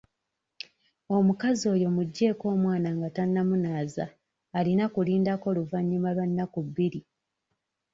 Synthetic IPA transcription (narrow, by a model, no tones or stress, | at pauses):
o̞mukazio̞ːjo̞muɟːe̞ːko̞ːmwaːnaŋɡatanːamunaːza̰ː | linakuliːndako̞luvaɲːimalwanːakuβːiɾi